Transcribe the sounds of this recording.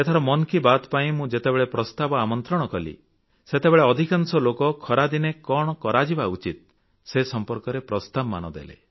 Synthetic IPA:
et̪ʰaɾɔmɔnkibat̪paĩmũd͡ʒet̪ebeɭepɾɔst̪abɔamɔnt̪ɾɔɽ̃ɔkɔlḭ | set̪ebeɭeɔd̪ʱikansɔlokɔkʰɔɾad̪inekɔɽ̃ɔkɔɾad͡ʒibaut͡ʃit̪̚ | sesɔmpɔɾkɔɾepɾɔst̪abɔma̰nɔd̪ḛlḛ

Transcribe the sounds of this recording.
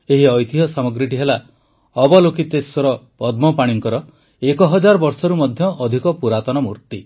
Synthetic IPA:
eɦiɔjt̪ʰiɦɔsamɔɡɾiʈiɦela | ɔbɔlokit̪eswɔɾɔpɔd̪̚mɔpaɽ̃iŋkɔɾɔ | ekɔɦɔd͡ʒaɾɔbɔɾsɔɾumɔd̪ʱjɔʔɔd̪ʱikɔpuɾat̪ɔnɔmṵɾt̪i

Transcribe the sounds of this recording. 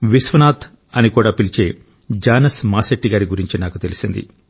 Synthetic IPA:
ʋisʋɐnaːt̪ | ɐnikuːɽaːpilit͡ʃe̞ː | d͡ʒaːnɐsmaːseʈːiɡaːɾiɡuɾiɲt͡ʃinaːkut̪e̞lisind̪ḭ

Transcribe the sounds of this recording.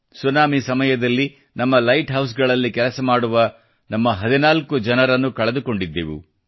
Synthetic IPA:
sunaːmisɐmɐjɐd̪ɐlːi | nɐmːɐlɐjʈɦɐws̬ɡɐɭɐlːikɛlɐsɐmaːɽuʋɐ | nɐmːɐɦɐd̪inaːlkud͡ʒɐnɐɾɐnːukɐɭɐd̪uko̞ɳɖid̪ːeʋṵ

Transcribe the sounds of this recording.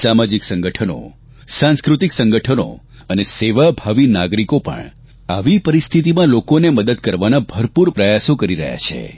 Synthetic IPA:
samad͡ʒiksə̃ŋɡəʈʰəno̰ | sãnskɾut̪iksəŋɡəʈʰəno̰ | əneseʋabʱaʋinaɡɾikopə̰ɳ | aʋipəɾist̪ʰit̪̬imãlokoneməd̪əd̪kəɾʋanabʱəɾpuɾpɾəjasokəɾiɾə̰ɦja̰t͡ʃʰḛ

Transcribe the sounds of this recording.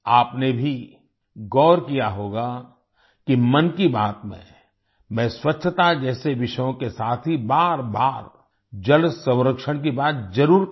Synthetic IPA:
aːpnebʱi | ɡɔːɾkijaɦoːɡa | kimɐnkibaːt̪mḛ̃ | mɛ̃ːswɐtːʃʰət̪ad͡ʒɛːseʋɪʃjõkesaːt̪ʰɦibaːɾbaːɾ | d͡ʒɐlsə̃w̃ɾəkʃəɽ̃k̬ibaːt̪̚d͡ʒɐɾuːɾk

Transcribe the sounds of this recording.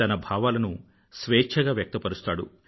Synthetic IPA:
ɐnɐbʱaːʋaːlɐnu | sʋɛːt͡ʃʰɐɡaːʋjɐk̚t̪ɐpɐɾust̪aːɽṵ

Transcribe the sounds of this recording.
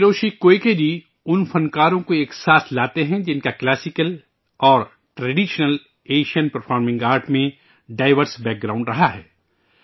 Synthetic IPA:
ɾoːʃikoːekebʱi | ʊnfɐ̃nkaːɾõkoeːksaːslaːt̪eɦɛ̃d͡ʒɪnkaklɛːsɪkəl | ɔːɾ | ʈɾɐɖiːʃnəl | eːʃiənpɐɾfʰɔːɾmɪ̃ŋɡaːɾʈmẽ | ɖaːɪʋəɾsbɛːk̚ɡɾaːʊ̃ɳɖɾɐɦaɦɛː

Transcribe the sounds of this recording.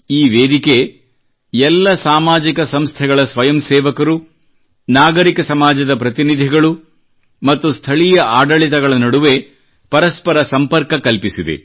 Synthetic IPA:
iːʋeːd̪ike̞ | ɛlːɐsaːmaːd͡ʒikɐsɐmst̪ʰɛɡɐɭɐsʋɐjɐmsɛːʋɐkɐɾu | naːɡɐɾikɐsɐmaːd͡ʒɐd̪ɐpɾɐt̪inid̪ʱiɡɐɭu | mɐt̪ːust̪ʰɐɭijɐʔaːɖɐɭit̪̬ɐɡɐɭɐnɐɽuʋe̞ | pɐɾɐspɐɾɐsɐmpɐɾkɐkɐlpisid̪ḛ

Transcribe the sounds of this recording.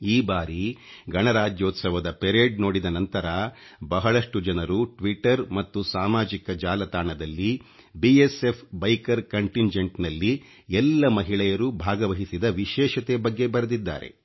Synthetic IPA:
iːbaːɾiɡɐɳɐɾaːd͡ʒjoːt̪sɐʋɐd̪ɐpeɾeːɖno̞ːɽid̪ɐnɐnt̪ɐɾɐbɐɦɐɭɐʂʈud͡ʒɐnɐɾuʈʋiʈɐɾmɐt̪ːusaːmaːd͡ʒikɐd͡ʒaːlɐt̪aːɳɐd̪ɐlːi | biesepʰbɐjkɐɾkɐɳʈiɲd͡ʒeɳʈnɐlːi | ɛlːɐmɐɦiɭɛjɐɾubʱaːɡɐʋɐɦisid̪ɐʋiʃɛːʃɐt̪ebɐɡːe̞bɐɾɐd̪id̪ːa̰ːɾe̞̰

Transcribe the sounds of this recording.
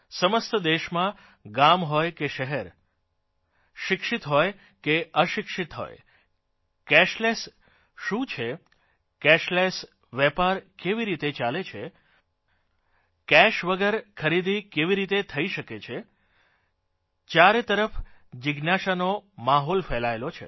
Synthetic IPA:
səməst̪əd̪eʃmã | ɡamɦɔjkeʃəɦɛɾ | ʃɪkʃit̪ɦɔj | keəʃɪkʃit̪ɦo̰j | kɛʃles | ʃũt͡ʃʰe | kɛʃles | ʋɛpaɾkeʋiɾit̪et͡ʃalet͡ʃʰe | kɛʃʋəɡəɾkʰəɾid̪ikeʋiɾit̪et̪ʰəiʃəket͡ʃʰe | t͡ʃjaɾet̪əɾəfd͡ʒɪɡnaʃanomaɦɔlfɛlaelot͡ʃʰḛ

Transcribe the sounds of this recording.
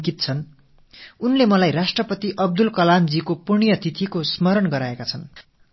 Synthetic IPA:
kit̪̚t͡sʰʌn | unlemʌlajrasʈrʌpʌt̪iʔʌb̚d̪ulkʌlamd͡zikopurɳijʌt̪it̪ʰikosmʌɾʌnɡʌɾaekat͡sʰʌn

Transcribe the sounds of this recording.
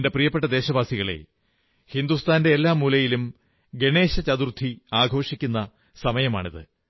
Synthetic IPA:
nde̞prijɐpːeʈːɐd̪e̞ːɕɐbaːsiɣɐɭe̞̰ | hind̪ust̪ʰaːnde̞ːlːaːmuːlɐjilum | ɡe̞ɳe̞ːɕɐt͡ɕɐðurt̪ʰːiaːɡʱo̞ːʂikʲːunːɐ | sɐmɐjɐma̰ːɳiðɨ̰

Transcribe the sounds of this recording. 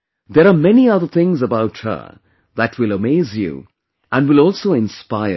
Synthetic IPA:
ðəɾamɛniʌðə˞θɪ̃ŋzəbaʊthə̰˞ | ðətʰwɪləmeɪzjṵ | ʔæ̃nwɪlɔːlˠsoʊɪ̃nspaɪə̰

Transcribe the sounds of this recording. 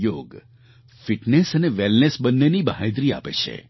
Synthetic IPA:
joɡ | fiʈnesəneʋelnesbənːenibaɦẽd̪ɾia̰pḛt͡ʃʰḛ

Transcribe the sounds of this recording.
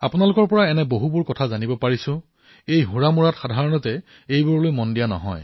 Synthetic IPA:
a̰pʊnalʊkɔɹpɔɹaɛnɛboɦubʊɹkɔtʰazanibɔpaɹisʊ̃ | ejɦũɹamuɹatxadʱaɹɔnɔtɛ | ejbuɹlojmɔndijanɔ̰ɦɔ̰j

